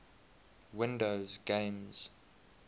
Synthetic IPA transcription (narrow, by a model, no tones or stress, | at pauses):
wɪ̃ndoʊzɡẽɪmz̥